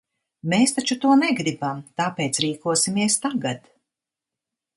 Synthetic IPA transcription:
meːst̪at͡ʃut̪uɔnɛɡɾibamt̪aːpeːt̪sɾiːkuɔsimiɛst̪aɡat̪

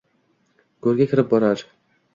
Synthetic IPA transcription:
ɡ̥ɵɾɡʲakʲʰɪɾɪp̚bɒɾaɾ

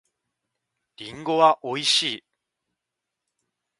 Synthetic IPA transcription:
ɾʲĩŋɡo̞βaʔoiɕiː

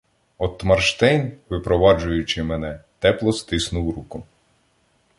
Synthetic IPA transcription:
ɔt̪mɐrʃt̪ɛjnʋɪpɾɔʋɑd͡ʒʊjʊt͡ʃɪmenɛt̪ɛplˠɔst̪ɪsnʊwɾukʊ

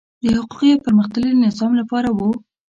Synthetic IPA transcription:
d̪əhʊqu̥qijapəɾməxd̪əlinɪzɑmlapɑɾawu

